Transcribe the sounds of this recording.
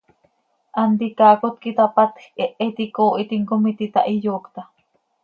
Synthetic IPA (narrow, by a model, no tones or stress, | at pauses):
ʔand̪ikaːkot̪̚kit̪apat̪xeʔet̪ikoʔit̪iŋkomit̪it̪aʔijoːkt̪a